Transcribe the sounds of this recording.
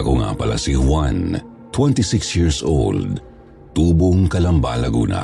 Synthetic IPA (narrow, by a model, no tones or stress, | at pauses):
ɐkoŋa̰pɐla̰sihwan | t̪wɛnt̪isɪksjiɹso̰ld̪̚ | t̪uːboŋkɐlɐmba̰lɐɡṵːnʔɐ̰